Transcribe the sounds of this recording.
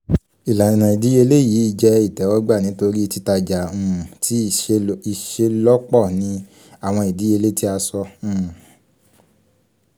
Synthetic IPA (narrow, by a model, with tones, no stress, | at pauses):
i˨la˨i˨nã˨i˨di˨˦e˧le˦jiː˨˦i˦˧˨d͡ʒɛ˧i˦˨tɛ˨˦wɔ˦ɡ͡ba˦˨nĩ˨˦to˧ɾi˦˧ti˧˦ta˧d͡ʒa˨ũ˨˧˨ti˦i˨ʃe˧˦lɔ˦k͡pɔ˦˨nĩ˧˦ | a˦˨w̃ɔ̃˧i˨di˨˦e˧le˦ti˦a˧sɔ̃˧˦˨